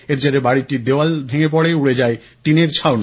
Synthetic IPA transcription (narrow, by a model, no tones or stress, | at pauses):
eɾd͡ʑeɾebaɽiʈid̪eoalbʱeŋep̬ɔɽeuɽed͡ʑae | ʈineɾt͡ɕʰaon